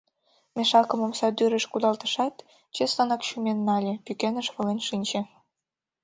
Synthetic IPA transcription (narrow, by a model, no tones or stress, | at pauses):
mʲeʃɑkə̆momsɑd̪yɾə̆ʃkud̪ɑlt̪ə̥̆ʃɑt̪ | t͡ɕesɑnɑkɕumenːɑlʲepykenə̆ʃβɤ̆lenʃinʲt͡ɕĕ